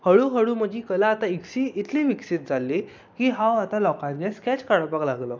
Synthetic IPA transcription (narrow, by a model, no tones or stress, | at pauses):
həɭuːɦəɽuːm̤əd͡ʑʱiːkəlaːt̪aiksiːt̪ʰliːʋiksit̪̚d͡zʱalːiː | kiːɦawat̪alɔkãt̪ɡeskɛt͡ɕkaɽəpaklaɡlɔ